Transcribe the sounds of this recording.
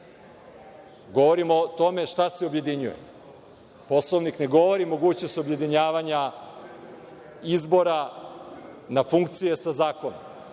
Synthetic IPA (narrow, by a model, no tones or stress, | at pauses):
ɡo̞ʋo̞ɾimot̪o̞me̞ʃt̪aseobje̞d̪iɲujḛ | po̞slˠoʋnikne̞ɡo̞ʋo̞ɾimo̞ɡuːt͡ɕno̞st̪obje̞d̪iɲaːʋaɲa | izbo̞ɾa | nafuŋkt̪sije̞sazaːko̞nom